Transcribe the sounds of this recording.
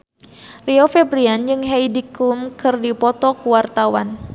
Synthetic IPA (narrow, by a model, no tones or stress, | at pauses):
riofɛbɾiand͡ʒɨŋɦeidiklumkɨrdipɔt̪ɔkuwart̪awan